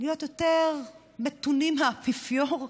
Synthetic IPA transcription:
lijot̪jot̪eʁ | met̪unimhapifjoʁ

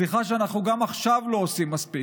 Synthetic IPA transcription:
liχaʃeanaχnuɡamaχʃavlo̞osimːaspi

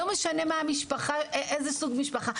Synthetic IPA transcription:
ome̞ʃane̞maːmiʃpaχaʔezesuɡmiʃpaχa

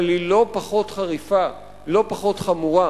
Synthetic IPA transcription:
lilo̞paχo̞t̪χaʁifa | lo̞paχo̞t̪χamuʁa

